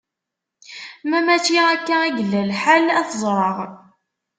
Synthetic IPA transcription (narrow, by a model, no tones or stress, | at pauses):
mæmæt͡ʃːiækːææɡəlːælħalæθəzˤɾˤəʁ